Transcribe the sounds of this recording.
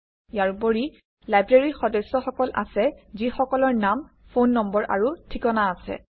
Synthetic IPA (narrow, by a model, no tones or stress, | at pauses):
jaɹboɹi | lajbɹeɹixɔdɔsːɔxɔkɔlʔa̰sɛzixɔkɔlɔɹnam | fʰonːɔmbɔɹʔa̰ɹutʰikɔnaːsɛ̰